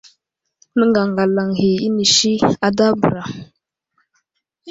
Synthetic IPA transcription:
nə˦ŋɡa˨ŋɡa˨la˨ŋhi˨i˦ni˨ʃi˦a˨da˦bə˨ɾa˨

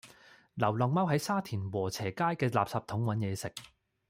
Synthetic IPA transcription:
lɐ˨˩wlɔː˨˩ŋmɐ˥wɦɐ˨˥jsaː˥t̪ʰiː˨˩nwɔː˨˩t͡sʰɛː˨˩kaː˥jkɛː˧la̰ː˨p̚saː˧p̚t̪ʰʊ˨˥ŋwɐ˨˥njɛː˨˧sɪ˨k̚

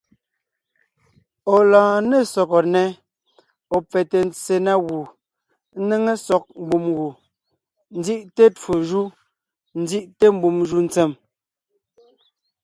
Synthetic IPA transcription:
ɔ˨lãː˨ne˦˨sɔ˨kɔ˨nɛ˦ | ɔ˨p͡fɛ˨te˨n̩˦t͡se˨na˦ɣu˨˦ | ne˦ŋe˦sɔ˦k̚m̩˨bu˨mɣu˨ | n̩˦di˦ʔte˦to˨ʒu˦ | n̩˦di˦ʔte˦m̩˦bu˨mʒu˦n̩˦t͡se˦˨m

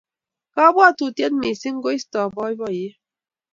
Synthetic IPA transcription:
ka˦bwa˦˨tu˨tje˦nme˨si˦ŋ̩˦ɡo˦i˦stɔ˨bɔ˦i˦bɔ˦˨je˦

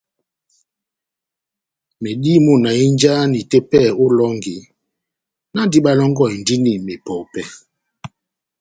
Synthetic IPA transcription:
me˨di˦mu˦˨na˨i˦n˦d͡ʒa˦ni˨te˦pɛ˦˨u˦lɔ˦ŋɡi˨ | na˦di˦ɓa˦lɔ˦ŋɡɔ˦˨i˨n˨di˦ni˨me˨pɔ˨wpɛ˦

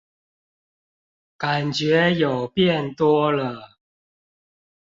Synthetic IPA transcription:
ka˨˩nt͡ɕɥɛ˨˥jɐ˨˩wpjɛ˥˩nt̪wɔ˥lə˧

